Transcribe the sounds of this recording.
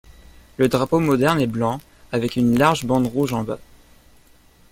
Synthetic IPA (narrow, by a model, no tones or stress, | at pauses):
ləd̪ʁapomɔd̪ɛʁnɛblɑ̃ | avɛkynlaʁʒbɑ̃d̪ʁuʒɑ̃ba